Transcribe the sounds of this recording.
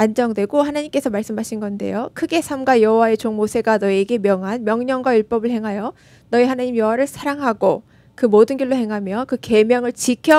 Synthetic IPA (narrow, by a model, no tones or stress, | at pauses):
and͡ʑʌŋdwe̞ɡohanaɲimk͈e̞sʰʌmaɭs͈ɯmɦaɕʰinɡʌnde̞̰jokʰɯɡe̞sʰamɡajʌɦowae̞t͡ɕoŋmosʰe̞ɡanʌieɡe̞mjʌŋɦanmjʌŋɲʌŋɡwajuɭp͈ʌbɯɭhe̞ŋɦajʌ | nʌihanaɲimjʌwaɾɯɭsʰaɾaŋɦaɡo | kɯmodɯnɡʌɭːohe̞ŋɦamjʌkɯke̞mjʌŋɯɭt͡ɕikʰjʌ